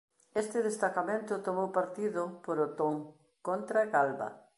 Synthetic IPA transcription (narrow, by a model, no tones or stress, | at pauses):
est̪ɪðest̪akamẽnt̪ʊt̪omowpaɾt̪iðʊpoɾot̪oŋ | kont̪ɾaɣalβɐ̰